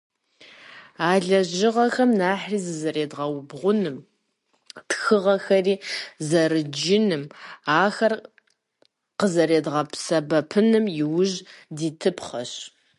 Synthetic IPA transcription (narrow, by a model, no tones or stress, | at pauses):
aːɮɐʑɪʁɐxɐmnaːħriːzɨzɐreːdʁɐwʊbʁʷʊnɨm | txɨʁɐxɐriːzɐɾɨd͡ʒɪnɨmaːxɐr | qəzɐɾeːdʁɐpʰsɐbɐpʰɨnɨmjɪwʊʒdiːtʰɨpʰχɐɕ